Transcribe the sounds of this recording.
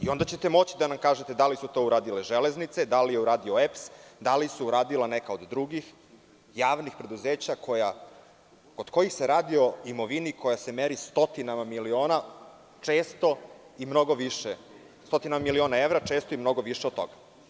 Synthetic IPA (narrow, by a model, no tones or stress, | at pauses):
io̞nd̪at͡ɕe̞t̪emo̞t͡ɕid̪anamkaːʒet̪e̞d̪alisut̪o̞uɾaːd̪ileʒele̞znit̪se̞d̪alijeuɾaːd̪io̞epsd̪alisuuɾaːd̪ilanekaod̪ːɾuɡix | jaːʋnixpɾe̞d̪uzeːt͡ɕakʰo̞ja | ko̞d̪̥ko̞jixse̞ɾaːd̪io̞imo̞ʋinikʰo̞jase̞meɾist̪o̞t̪inamamilio̞ːna | t͡ʂe̞ːst̪o̞ | imno̞ɡo̞ʋiʃe | st̪o̞t̪inamamilio̞ːnaeʋɾat͡ʃe̞ːst̪oimno̞ɡo̞ʋiʃed̪t̪ːo̰ɡa